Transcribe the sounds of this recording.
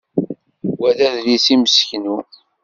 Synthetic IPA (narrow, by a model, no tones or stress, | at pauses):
wæðæðlisiməsçnu